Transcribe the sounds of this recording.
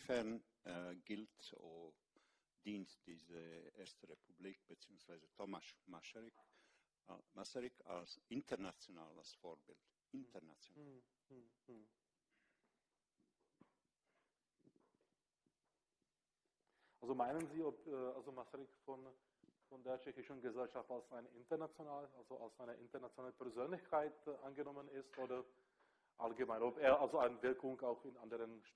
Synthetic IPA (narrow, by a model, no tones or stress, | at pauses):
fɛɐn | ɡɪlto | d̥iːntd̥iːzəʔeːɐstəʁepʰubliːk̚b̥ət͡siːʊŋsv̥aɪzətʰɔmasmasʁɪk | masəʁɪkʰa̰lsʔɪntʰəʁnat͡sjonaːla̰sfoːɐbɪ̰lt | ʔɪntəna̰t͡sjonaːl | ʔalzomaɪnənziːɔpɛːʔalzomasʁɪkfɔn | fɔndeːɐt͡ʃɛçɪʃn̩ɡəzɛlʃaftalsaɪnʔɪntɐnat͡sjonaːləʔalzoʔalsʔaɪnəʔɪ̰ntɐnat͡sjonaːləpʰɛɐzøːnlɪçkʰaɪtʔanɡənɔmənɪstʔoːdɐ | ʔalɡəmaɪnɔpeːɐʔalzoaɪnəvɪɐkʊŋkaʊxɪnʔandəʁənʃ